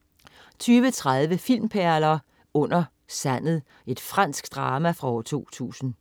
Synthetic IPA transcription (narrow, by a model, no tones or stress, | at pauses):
t͡sʰyːʋət͡sʰʁað̞ˠʋəfil̰mpʰæɐlɐː | ɔ̽n̰ɐ | sæn̰ð̩ˠ | e̝d̥fʁɑn̰sɡ̥d̥ʁɑːmæfʁɑ̈ɒʊɐt͡sʰo̝̰ːt͡sʰṵːsn̩